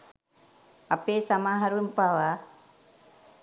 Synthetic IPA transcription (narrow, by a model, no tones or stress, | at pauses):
ɐpeːsɐmaːɦɐɾumpaʋa